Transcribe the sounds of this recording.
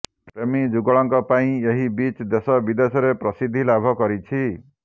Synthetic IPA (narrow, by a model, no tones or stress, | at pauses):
pɾemid͡ʒuɡɔɭɔŋkɔpaĩeɦibit͡ʃd̪esɔbid̪esɔɾepɾɔsid̪ʱːilabʱɔkɔɾit͡ʃʰi